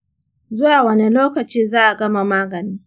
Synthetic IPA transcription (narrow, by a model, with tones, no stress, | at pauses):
zʊ˦waː˨wɐ˦ni˦loː˦kɐ˨t͡ʃiː˦zaː˦ʔa˨ɡɐ˦ma˨maː˦ɡɐ˨niː˦